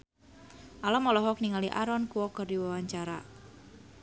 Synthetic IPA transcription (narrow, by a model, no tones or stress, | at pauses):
ʔalamɔlɔɦɔk̚niŋaliʔaɾɔnkuwɔkərdiwawaɲt͡ʃaɾa